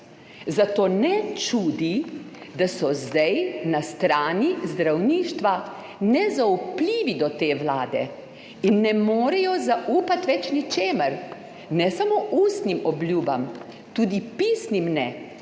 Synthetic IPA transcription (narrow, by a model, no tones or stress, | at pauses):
zat̪oːnɛt͡ʃuːd̪id̪asɔzd̪ɛjnast̪ɾaːnizd̪ɾawniːʃt̪ʋa | nɛzaupliːʋid̪ɔt̪eːʋlaːd̪ɛ̰ | inːɛmoːɾɛjɔzaʔuːpat̪ʋɛt͡ʃnit͡ʃeːməɾ | nɛsamoːʔuːst̪nimɔblʲjuːba̰m | t̪uːd̪ipiːsnimnɛ